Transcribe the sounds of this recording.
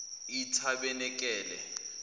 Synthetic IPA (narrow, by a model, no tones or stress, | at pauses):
itʰaɓɛnɛk̬ʼɛːlɛ̰